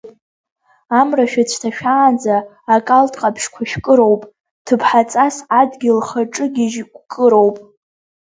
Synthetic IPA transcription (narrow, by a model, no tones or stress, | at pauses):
amraʃᶣat͡ɕʷʰtʰaʃᶣaːnd͡zaː | kʼaltʼqʼapʰʃkʷʰaʃᶣkʼɨɾo̞wpʼ | tʰɨpʰħat͡sʼasadɡʲɪlχaʈ͡ʂʼɨɡʲiʒkʷʼkʼɨɾo̞wpʼ